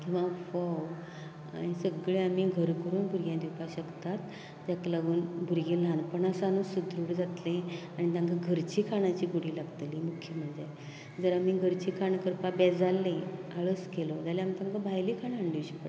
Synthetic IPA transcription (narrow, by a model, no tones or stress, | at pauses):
kĩw̃ʋ̤ãfɔw | a̰nisəɡɭeamiɡʱəɾkəɾuːnbʱuɾɡjãd̪iwpaɕəɡt̪at̪ | d͡ʑaklaɡuːnbʱuɾɡelãnpəɳasanũsud̪ʱɾuːɽd͡zat̪lẽaɽ̃it̪ãŋkaɡʱəɾt͡ɕiːkʰaɽ̃at͡ɕiːɡuɽiːlaɡt̪limukʰjəm̤əɳd͡za | d͡zəɾamiɡʱəɾt͡ɕikʰaɳkəɾpabɛd͡zalːẽa̰ɭəskelod͡zaleamt̪ãŋkabʱajlikʰaɳaɳɖiʋɕipə